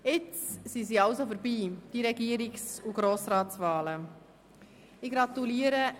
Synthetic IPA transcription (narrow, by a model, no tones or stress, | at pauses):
ɪt͡ssiziɑʊsofəɾbiːd̪̥iɾɛɡiəɾɪksuɡɾoːsɾɑːsvaːlə | ɪɡɾɑt̪uliːəɾə